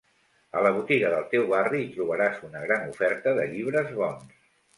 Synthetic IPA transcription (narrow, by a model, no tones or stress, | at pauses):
ələβut̪iɣəðəlˠt̪ewβariːt̪ɾuβ̞əɾazunəɣɾanufɛɾt̪əðə̰ʎiβ̞ɾəzβɔns